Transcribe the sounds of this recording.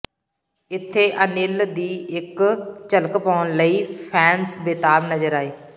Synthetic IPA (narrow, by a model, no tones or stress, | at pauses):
ɪt̪ʰːeːʔənɪld̪iːɪkt͡ʃələkpaːnləiːpʰɛːnsbeːt̪aːbnəzəɾaːeː